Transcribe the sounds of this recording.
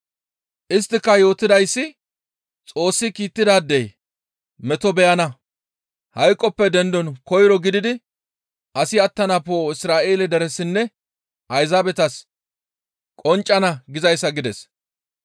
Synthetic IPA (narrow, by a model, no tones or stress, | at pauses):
ʔɪs̬t̪ːɪkːɐjo̞ːt̪ːɪd̪ɐjsːɪ | t͡sʼo̞ːsːɪkiːt̪ːɪd̪aːd̪ːɛj | mɛt̪ɔbɛjɐnɐ | hɐjkʼːɔpːɛd̪ɛnd̪ɔnkɔjɾɔɡɪd̪ɪd̪ɪ | ɐsɪɐt̪ːɐnɐpo̞ːɪsɾaːʔe̞ːlɛd̪ɛɾɛsɪnːɛ | ʔɐjzaːbɛt̪ɐs | kʼɔnt͡ʃʼːɐnɐɡɪzɐjsːɐɡɪd̪ɛs